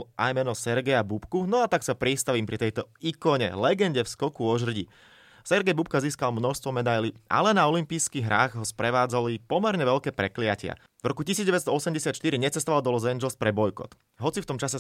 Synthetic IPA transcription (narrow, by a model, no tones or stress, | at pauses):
ʔajmɛnɔsɛɾɡɛjabupkunɔat̪aksapɾist̪aʋiːmpɾit̪ɛjt̪ɔikɔɲɛ̰lɛɡɛɲɟɛfskɔkuɔʒr̩ɟi | sɛɾɡɛjbup̚kaziːskalmnɔʃst̪ʋɔmɛd̪ajliʔa̰lɛnaɔlimpijskiɣɦɾaːɣɦɔspɾɛʋaːd͡zalipɔmɛɾɲɛʋɛʎkɛːpɾɛklɪacɪa̰ | vɾɔkucisiːd͡zdɟɛʋɛt͡sst̪ɔɔsɛmɟɛsat̪ʃt̪iɾiɲɛt͡sɛst̪ɔʋald̪ɔlɔzɛnd͡ʒɛlspɾɛbɔjkɔ̰t̪ | ɦɔt͡sift̪ɔmt͡ʃasɛ